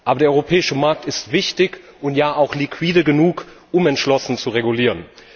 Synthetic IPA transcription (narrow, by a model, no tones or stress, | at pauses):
ʔaːbɐdeːɐɔʏʁopʰɛːɪʃəmaɐk̚tɪstv̥ɪçtɪç | ʔʊntjaːʔaʊxlikʰw̥iːdəɡənuːk | ʊmɛntʃlɔsn̩t͡suʁeɡuliːʁən